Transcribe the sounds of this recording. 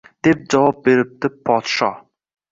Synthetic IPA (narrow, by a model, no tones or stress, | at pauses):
d̪̥ep̚d͡ʒɒvɑp̚beɾɪp̚t̪ɪpʰɒt̪ʃɑ